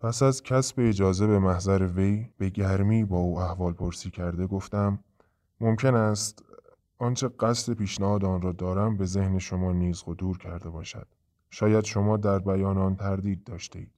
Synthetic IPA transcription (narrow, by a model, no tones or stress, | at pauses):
pʰæsæzcʲʰæsbeːd͡ʒɒːze̞be̞mæhzæɾeve̞jb̥e̞ɟæɾmiːbɒːuːæhvɒːlpʰoɾsiːcʰæɾd̪e̞ɡo̞ft̪æmː | o̞mcʰe̞næst̪ | ʔɒːnt͡ʃʰe̞ɢæsle̞piːʃnæhɒːd̪eɒnɾɒːd̪ɒːɾæmbe̞ze̞hne̞ʃo̞mɒːniːzɢo̞d̪uːɾcʰæɾd̪e̞bɒːʃæ̰d̪̥ | ʃɒːjæd̪ʃo̞mɒːd̪æɾbæjɒːnːnt̪ʰæɾd̪iːd̪̚ːɒːʃt̪ḛiːd̪̥